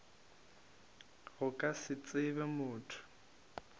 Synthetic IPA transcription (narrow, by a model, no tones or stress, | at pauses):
ɣʊkʼasɪt͡sʼɪbɛmʊːtʰʊ̥